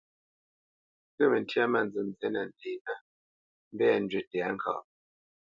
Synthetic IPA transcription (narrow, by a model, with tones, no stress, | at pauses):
ɡə˦˨mə˨n˨tja˦ma˦˨n˨d͡zɨ˨m˨zɛ˦na˨n˨de˨˦na˦ | m̩˦bɛ˦a˨n̩˨d͡ʒɥe˨tɛ˨a˦ŋ̩˨kʰa̰˨